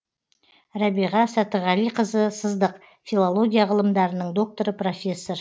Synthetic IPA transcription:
ɾɑbiʁɑsɑt̪əʁɑlijqʰəzəsəzd̪əq | filˠolˠo̞ɡʲijaʁəlˠəmd̪ɑɾənəɴd̪o̞k̚t̪o̞ɾəpro̞fʲe̞sːo̞r

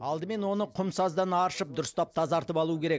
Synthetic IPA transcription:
ɑlˠd̪əme̞nwo̞nəqʰʊmsɑzd̪ɑnɑɾʃəp̚d̪ʊɾəst̪ɑp̚t̪ʰɑzɑɾt̪əpɑlˠuəkʲʰe̞ɾe̞k̚

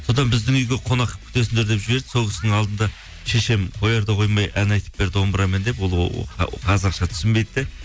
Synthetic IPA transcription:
so̞d̪ɑnbɪzd̪ɪŋʏjɡʲeqʰo̞nɑqːəp̚kʲʰʏ̥t̪e̞s̬ɪnd̪e̞ɾd̪e̞pʒɪbe̞ɾd̪ɪso̞lkʲɪsɪnɪɴɑlˠd̪ənd̪ɑ | ʃeʃe̞mqʰo̞jɑɾd̪ɑqʰo̞jmɑjʔænɑjt̪ə̥p̚be̞ɾd̪ɪo̞mbəɾɑmend̪e̞pwol̰ˠqʰɑzɑqʃɑt̪ʰʏ̥sɪmbe̞jd̪ɪd̪e

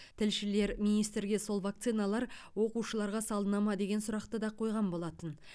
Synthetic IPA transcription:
t̪ʰɪlʃɪle̞ɾmijnijst̪ɾɡʲe̞so̞lˠvak̚t̪sijnalˠɑɾwo̞quʃəlˠɑɾʁɑsɑlˠənɑmɑd̪e̞ɡʲe̞nsʊɾɑqt̪əd̪ɑqʰo̞jʁɑmbo̞lˠɑt̪ən

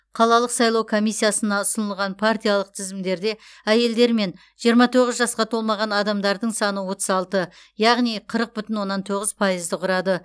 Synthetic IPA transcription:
qʰɑlˠɑlˠəqsɑjlˠɑwkʰo̞mijsːijasənɑʊsənəlˠʁɑnpʰart̪ijaɑlˠəq̚t̪ʰɪzɪmd̪e̞ɾd̪e̞ | æje̞ld̪e̞ɾme̞n | ʒijəɾmɑt̪ʰo̞ʁəzʒɑsqɑt̪ʰo̞lˠmɑʁɑnɑd̪ɑmd̪ɑɾd̪əɴsɑnəwo̞t̪əzɑlˠt̪ə | jɑʁnijqʰəɾəq̚bʏt̪ɪnwo̞nːɑnt̪ʰo̞ʁəzpʰɑjəzd̪əqʰʊɾɑd̪ə

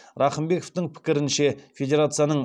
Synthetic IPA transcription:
ɾɑχəmbe̞koft̪ɪŋpʰɪ̥kʲɪɾɪnʃe̞fʲe̞d̪ʲe̞ɾat̪sɨjanəɴ

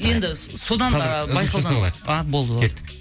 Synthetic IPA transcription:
je̞nd̪ɪso̞d̪ɑnbɑjqɑwd̪ɑɑbo̞lˠd̪əeːɪ

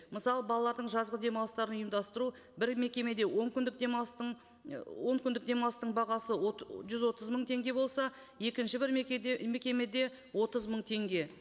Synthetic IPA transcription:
məsɑlˠəbɑlˠɑlˠɑɾd̪əɴʒɑzʁəd̪e̞mɑlˠəst̪ɑɾənʊjəmd̪ɑst̪əɾu | bɪɾme̞kʲe̞me̞d̪e̞wʔo̞ŋkʲʏnd̪ɪk̚d̪ems | wo̞ŋkʲʏnd̪ɪk̚d̪e̞mɑlˠəst̪əɴbɑʁɑsəʒʏzwo̞t̪əzməɴt̪ʰe̞ŋɡʲe̞bo̞lˠsɑje̞kʲɪnʃɪbɪɾme̞kʲe̞me̞d̪e̞ | wo̞t̪əzməɴt̪ʰe̞ŋɡʲe̞

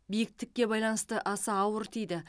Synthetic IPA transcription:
bijɪk̚t̪ɪkʲːe̞bɑjlˠɑnəst̪əʔɑsɑːwəɾt̪ʰijd̪ɪ

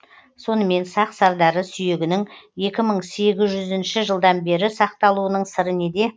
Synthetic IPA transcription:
so̞nəme̞nsɑqsɑɾd̪ɑɾəsʏje̞ɡʲɪnɪŋe̞kʲɪməɴse̞ɡʲɪzʒʏzɪnʃɪʒəlˠd̪ɑnbe̞ɾɪsɑq̚t̪ɑlˠuənəɴsəɾəned̪e̞

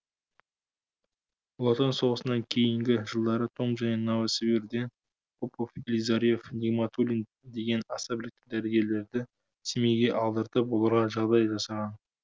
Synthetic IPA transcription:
lˠɑt̪onso̞ʁəsənɑŋkʲʰe̞jɪŋɡʲɪʒəlˠd̪ɑɾət̪ʰo̞mʒæne̞nɑwəsviɾd̪e̞n | pʰopofelʲijzaɾijefnʲiɡmat̪ʰulʲin | d̪e̞ɡʲe̞nɑsɑbɪlɪk̚t̪ːɪd̪æɾeɡʲe̞ɾle̞ɾd̪ɪ | sime̞ɡʲe̞ʔɑlˠd̪əɾt̪əpbolˠɑɾʁɑʒɑʁd̪ɑjʒɑsɑʁɑn

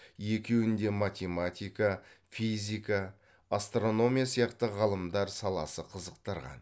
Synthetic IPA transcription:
je̞kʲewɪnd̪e̞mat̪ʲe̞mat̪ʲijkafizʲijka | ast̪ro̞no̞mʲijasijɑqt̪əʁɑlˠəmd̪ɑɾsɑlˠɑ̰səqʰəzəqt̪ɑɾʁɑ̰n

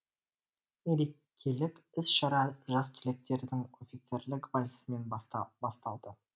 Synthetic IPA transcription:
eɾe | kʲʰːe̞lɪpɪsʃɑɾɑʒɑst̪ʰʏle̞k̚t̪e̞ɾd̪ɪŋo̞fʲit̪se̞ɾlɪkbalʲsəme̞nbɑst̪ɑlˠd̪ə

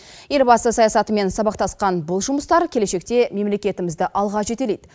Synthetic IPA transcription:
je̞lʲbɑsəsɑjɑsɑt̪əme̞nsɑbɑq̚t̪ɑsqɑnbʊlˠʒʊməst̪ɑɾkʲʰele̞ʃe̞k̚t̪e̞me̞mle̞kʲe̞t̪ɪmɪzd̪ɪʔɑlˠʁɑʒe̞t̪e̞lejd̪̥

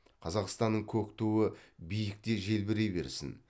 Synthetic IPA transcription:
qʰɑzɑqst̪ɑnːəɴkʲʰɵkt̪uwəbijɪk̚t̪e̞ʒe̞lbɪɾe̞be̞̰ɾsɪ̰n

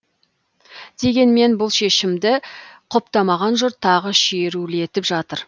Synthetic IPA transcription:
d̪̥e̞ɡʲe̞nme̞nbʊlˠʃe̞ʃɪmd̪ɪqʰʊpt̪ɑmɑʁɑnʒʊɾt̪ʰːɑʁəʃije̞ɾulɪe̞t̪ɪpʒɑt̪əɾ

